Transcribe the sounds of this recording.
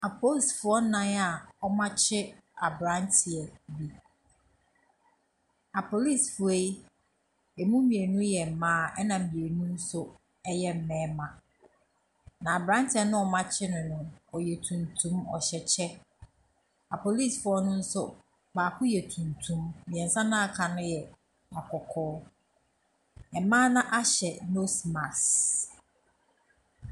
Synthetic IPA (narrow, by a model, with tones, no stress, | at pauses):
a˨pʰo˦˨sfʊ˨ɔ˦nã˦a˨ɔ˦mã˦t͡ɕʰɪ˦a˨bɾã˦ntʰɪ˨ɛ˨bi˨ | a˨pʰo˨li˦˨sfʊ˨e˦ | e˨mũ˦mĩ˨e˨nũ˦jɛ˨m̩˨mãː˦ɛ˦nã˨m̩˨mĩ˨e˨nũ˦n̩˦sʊ˦ | ɛ˦jɛ˦m̩˨mɛ̃ː˦mã˨ | nã˨a˨bɾã˦ntʰɪ˨˦ɛ˨nʊ̃˦ɔ˨mã˦t͡ɕʰɪ˦nʊ̃˨nʊ̃˨ɔ˨jɛ˨tʰũ˨ntʰũ˦mɔ̰˨ɕɛ˨t͡ɕʰɛ˦ | a˨pʰo˨li˦˨sfʊ˦ɔ˦nʊ̃˦n̩˦sʊ̰˦ | baː˨kʰʊ˦jɛ˨tʰũ˨ntʰũ˦mː˦ĩ˨ɛ̃˨n̩˨sã˦nã˦a˨kʰa˨nʊ̃˦jɛ˨ | ma˨kʰɔ˨kʰɔː˦ | ɛ˨mãː˦nã˦ʔa˦ɕɛ˨no˦sma˨s